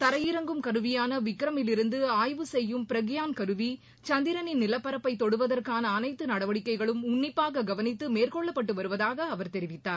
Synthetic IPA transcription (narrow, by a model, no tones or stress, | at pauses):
t̪ɐɾɐjɪɾɐŋɡɯmkɐɾɯʋɪjaːnɐʋɪkːɪɾɐmɪlɪɾɯnd̪ɯaːjʋɯsɛjːɯmpɪɾɐɣɪjaːnkɐɾɯʋi | t͡ʃɐnd̪ɪɾɐnɪnɪlɐpːɐɾɐpːɐɪt̪ːɔɽɯʋɐðɐrkaːnɐːnɐɪt̪ːɯnɐɽɐʋɐɽɪkːɐɪɣɐɭɯmʊɳːɪpːaːɣɐɡɐʋɐnɪt̪ːɯmeːrkɔɭːɐpːɐʈ̬ːɯʋɐɾɯʋɐðaːɣɐːʋɐɾt̪ɛɾɪʋɪt̪ːaːɾ